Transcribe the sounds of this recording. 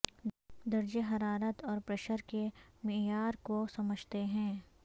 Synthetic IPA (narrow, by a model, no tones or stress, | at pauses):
d̪ɐɾd͡ʒəɦɐɾaːɾət̪ɔːɾpɾɐʃəɾkemɪjaːɾkosɐməd͡ʒʱt̪eɦɛ̃ː